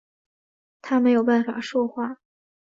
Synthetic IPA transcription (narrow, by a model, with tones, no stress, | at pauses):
t̪ʰa˥me˧˥ɪjo˨˩ʊpa˥˩nfa̰˨˩ʂwɔ˥˧xwa˥˩